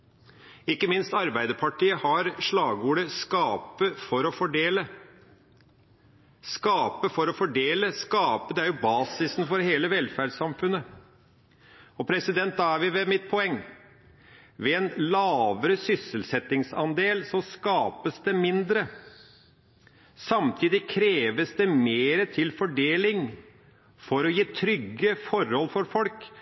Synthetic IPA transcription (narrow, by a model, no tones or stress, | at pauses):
ɪkːəmɪnst̪ɑɾbæɪd̪əpʰɑʈʰiːəhɑɾʂɭɑːɡuːɖ̪əskɑːpəfɔɾɔfɔɖeːlə | skɑːpəfɔɾɔfɔɖeːləskɑːpəd̪ɛæɾjʊbɑːsɪsnfɔɾɦeːləʋɛlfæːɖsɑmfʉnːə | ɔpʰɾɛsɪd̪ɛnt̪̚d̪ɑæɾʋɪʋɛmɪt̪̚pʰɔɛŋː | ʋɛɛnlɑːʋəɾəsʏsəlsɛt̪ɪŋsɑnd̪eːlsɔskɑːpəsd̪ɛmɪnd̪ɾə | sɑmt̪ʰiːd̪ɪkʰɾeːʋəsd̪ɛmeːɾət̪ʰɪlfɔɖeːlɪŋ | fɔɾɔjiːt̪ʰɾʏɡːəfɔɾhɔlfɔɾfɔlk